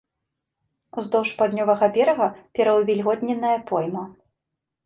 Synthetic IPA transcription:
uzd̪ɔwʂpad̪ʲnʲɔvɐɣɐbʲɛɾɐɣɐpʲɛɾɐwvʲɛlʲɣɔt̪ʲnʲɛnːɐjɐpɔjmɐ

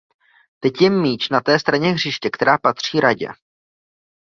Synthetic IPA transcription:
t̪ɛcjɛmːiːt͡ʃnat̪ɛːst̪ɾaɲɛɣrɪʃcɛkt̪ɛɾaːpat̪r̝̥iːɾaɟɛ̰

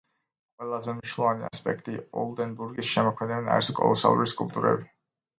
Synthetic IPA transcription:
qʼwɛlˠazɛmniʃwnlˠɔvania̰spʼɛkʰt̪ʼiɔ̰lˠd̪ɛnbuɾɡisʃɛmɔkʰmɛd̪ɛbɛna̰ɛ̰ɾt̪ʰɔkʼɔ̰lˠɔsa̰vɾiskʼulpt̪ʼuɾɛ̰bi

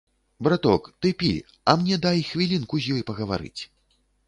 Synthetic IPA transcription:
bɾat̪ɔkt̪ɨpʲḭ | ɐmnʲɛd̪ajxvʲilʲinkuzʲjɔjpɐɣɐva̰ɾɨ̰t͡sʲ

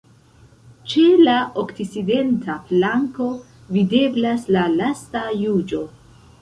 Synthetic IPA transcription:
t͡ʃe̞laʔokt͡sit͡side̞ntaflaŋko̞ | vide̞blaslalastajud͡ʒo̞

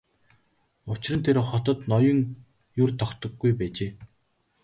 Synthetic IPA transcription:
ʊt͡ɕɪ̆rə̆nt̪ʰeɾχɔt̪ɞ̆t̪nɔjɞ̆ŋ | jʊrt̪ʰɔkt̪ɞ̆ɡːujpæːt͡ɕeː

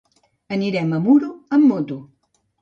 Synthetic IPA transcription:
əniɾɛməmuɾuəmːot̪u

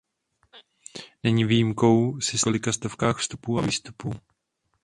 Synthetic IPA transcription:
nɛɲiviːjimko̞wsɪsolɪkast̪ofkaːxfst̪upuːaviːst̪upuː

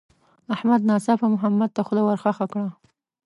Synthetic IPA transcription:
ahmad̪nɑsɑfamʊɦamːad̪̚t̪axʊd̪awaɾxaxakɽa

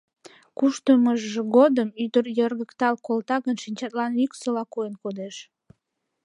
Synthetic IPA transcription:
kuʃt̪əməʒʒeɣod̪əmyd̪ərjərɣəkt̪ɑlkolt̪ɑɣənʃinʲt͡ɕɑt̪lɑnyksolɑkuenkod̪eʃ

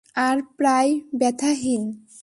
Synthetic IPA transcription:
aɾpɾajbɛt̪ʰaɦin

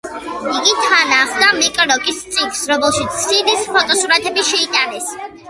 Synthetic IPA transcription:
iɡit̪ʰanaχd̪amikʼɾɔkʼist̪sʼiksɾɔmɛlˠʃit̪sʰsidispʰɔt̪ʼɔsuɾat̪ʰɛbiʃɛit̪ʼanɛs

